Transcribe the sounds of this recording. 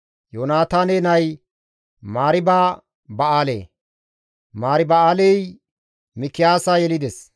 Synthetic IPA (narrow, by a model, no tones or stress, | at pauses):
joːnaːt̪aːneːnɐj | maːɾɪbaː | bɐaːlḛː | maːɾɪbɐaːlej | mɪkːɪjaːsaːjɛlɪd̪ɛs